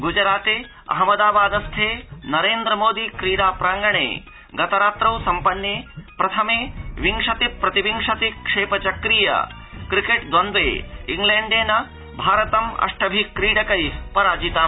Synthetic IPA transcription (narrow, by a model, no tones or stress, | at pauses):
ɡud͡ʒɾaːt̪eː | ɐ̰ɦɐmɐd̪aːbaːd̪ɐst̪ʰeːnɐɾeːnd̪ɾɐmoːd̪ikɾiːɽaːpɾaːŋɡɐɳ̃ḛː | ɡɐt̪ɐɾaːt̪ɾɐwsɐmpɐnːjeːpɾɐt̪ʰɐmeːʋiŋʂɐt̪ipɾɐt̪iʋiŋʂɐt̪ikʂeːpɐt͡ʃɐkɾiːjɐ̰ | kɾikeʈd̪wɐnd̪ʋeːiŋɡleːɳɖeːnɐ | bʱaːɾɐt̪ɐmɐ̰ʂʈɐbʱikɾiːɽɐkɐjpɐɾaːd͡ʒit̪aː